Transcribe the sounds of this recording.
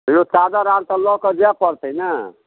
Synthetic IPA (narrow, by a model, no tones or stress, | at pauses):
josad̪aɾaɾt̪əlɔkəd͡ʒapəɾt̪əjna